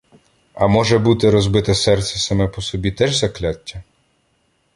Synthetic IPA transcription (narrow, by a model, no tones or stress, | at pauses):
ɐmɔʒɛbut̪ɪɾɔzbɪt̪ɛsɛrt̪sʲɛsɐmɛpɔsɔbʲit̪ɛʒzɐklʲatʲːɐ